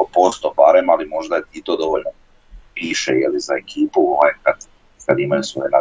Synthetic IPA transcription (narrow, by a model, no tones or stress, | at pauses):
opo̞st̪opaɾemalimo̞ʒd̪at̪it̪od̪o̞ʋoʎno | piːʃḛjelizaekʰiːpuoajekat̪ | kad̪imajusʋo̞̰jena